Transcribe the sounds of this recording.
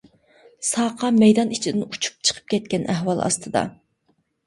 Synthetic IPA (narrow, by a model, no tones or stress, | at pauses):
sɑːqʰɑmɛjd̪ɑnit͡ʃʰid̪ɪnut͡ʃʰu̥p̚t͡ʃʰə̥qʰə̥p̚kʲʰɛt̪̚kʲɛnʔæɦwɑlˠʔɑ̰st̪ʰɨd̪ɑ̰